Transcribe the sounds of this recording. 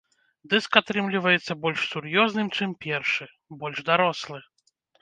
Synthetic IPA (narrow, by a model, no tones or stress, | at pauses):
d̪ɨskat̪ɾɨmlʲivɐjɛt̪sːɐbɔlʲʂsurjɔznɨmt͡ʂɨmpʲɛrʂɨ | bɔlʲʐd̪aɾɔslˠɨ